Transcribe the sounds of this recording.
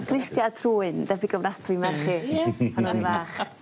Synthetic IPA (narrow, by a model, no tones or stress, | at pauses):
ɡ̥rɪstjatʰruːɨndɛbiɡəvnatʰimɛrχiːhanɔnivaːχ